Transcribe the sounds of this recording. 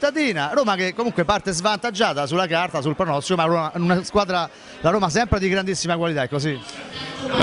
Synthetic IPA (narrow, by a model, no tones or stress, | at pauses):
t̪ːad̪iːnaɾoːmakekːomuŋkwepart̪ezvant̪ad͡ʒːaːt̪as̬ulːakart̪asulpɾɔnɔst̪iomaɾoːmanunaskwaːd̪ɾa | laɾoːmas̬ɛmpɾed̪iɡɾand̪isːimakwalit̪aɛkːosi